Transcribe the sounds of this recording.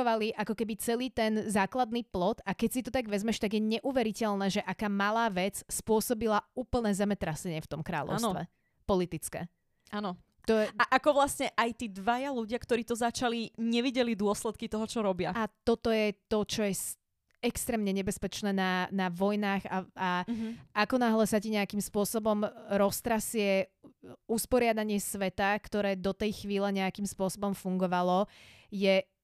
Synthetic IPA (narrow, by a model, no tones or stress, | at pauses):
ɔʋaliʔakɔkɛbit͡sɛliːt̪ɛnzaːklad̪̚niːplɔt̪akɛcsit̪ɔt̪aɡʋɛzmɛʃt̪aɡjɛɲɛʔuʋɛɾicɛlnɛːʒɛʔakaːmalaːʋɛt͡sspʊɔsɔbilauːpl̩nɛːzɛmɛt̪ɾasɛɲɪɛft̪ɔmkɾa̰ːʎɔ̰ʊst̪ʋɛ̰ | pɔlit̪it͡skɛ̰ | anɔ | t̪ɔɛaʔakɔʋlasɲɛʔajt̪iːd̪ʋajaluɟɪakt̪ɔɾiːt̪ɔzat͡ʃaliɲɛʋiɟɛlid̪ʊɔslɛt̪̚kit̪ɔɦɔt͡ʃɔɾɔbɪaat̪ɔt̪ɔjɛt̪ɔt͡ʃɔjɛs | ɛkst̪ɾɛːmɲɛɲɛbɛspɛt͡ʃnɛːnanaʋɔjnaːɣa̰aakɔnaɦlɛsaciɲɛakimspʊɔsɔbɔmɾɔst̪ɾasɪɛ | uspɔɾɪad̪aɲɪɛsʋɛt̪akt̪ɔɾɛːd̪ɔt̪ɛjxʋiːlɛɲɛakimspʊɔsɔbɔmfuŋɡɔʋalɔ | jɛ